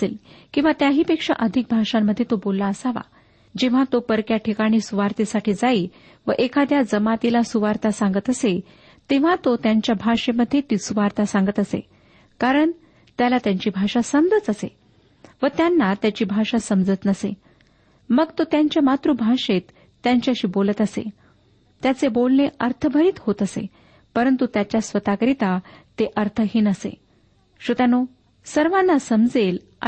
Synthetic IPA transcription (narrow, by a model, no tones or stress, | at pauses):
elkĩw̃ʋat̪jaɦiːpekʂa̰ʔəd̪ʱik̚bʱaʂamːəd̪ʱːjet̪obolːaəsaʋa̰ | d͡ʑeʋ̤at̪opəɾkjaʈʰikaɽ̃iːsuʋaɾt̪isaʈiːd͡zaiː | ʋəʔekʰad̪jad͡zəmat̪ilasuʋaɾt̪asãŋɡət̪əse | t̪eʋ̤at̪ot̪jaɲt͡ɕjabʱaʂeməd̪ʱːjet̪iːsuʋaɾt̪asãŋɡət̪əsḛ | kaɾəɳ | t̪jalat̪jaɲt͡ɕiːbʱaʂasəmd͡zət͡səsḛ | ʋət̪janːat̪jat͡ɕiːbʱaʂasəmd͡zət̪nəsḛ | məɡt̪ot̪jaɲt͡ɕjamat̪ɾubʱaʂet̪ː | jaɲt͡ɕaɕiːbolət̪əsḛ | t̪jat͡sebolneʔəɾt̪ʰəbʱəɾiːt̪ɦot̪əsḛ | pəɾənt̪ut̪jat͡ɕjasʋət̪akɾit̪at̪eʔəɾt̪ʰəɦiːnəsḛ | ɕət̪jano | səɾʋãnːasəmd͡zel̰